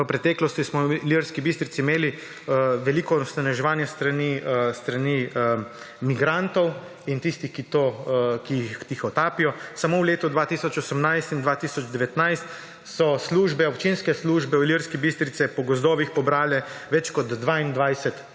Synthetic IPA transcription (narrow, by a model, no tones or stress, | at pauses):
əpɾɛt̪ɛklɔst̪ismɔliɾskibist̪ɾit̪siːmeːli | ʋɛliːkɔst̪anɛʒɛʋaːnjast̪ɾanist̪ɾani | miɡɾant̪ɔw | int̪ist̪ixkit̪okijixxt̪ixɔt̪aːpijɔsamowleːt̪ud̪ʋaːt̪isɔt͡ʃɔsəmnajst̪ind̪ʋaːt̪isɔd͡ʒd̪ɛʋɛt̪najst̪ | sɔsluʒbɛɔpt͡ʃinskɛsluʒbɛɔliɾskɛbist̪ɾit̪sɛpɔɡɔzd̪ɔːʋixpɔbɾaːlɛʋɛt͡ʃkɔd̪ːʋaːind̪ʋajsɛt̪